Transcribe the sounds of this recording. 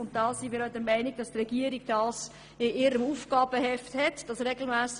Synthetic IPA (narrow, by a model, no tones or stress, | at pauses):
ʊntd̥ɑːsinmiːɾɔʏdəmæɪniɡ̚d̥ɑstrɛɡ̥iəɾiɡd̥ɑːs | ɪʔɪɾəmuːfɡ̥ɑːb̥əhɛfthɛtd̥ɑsɾɛɡl̩mæːs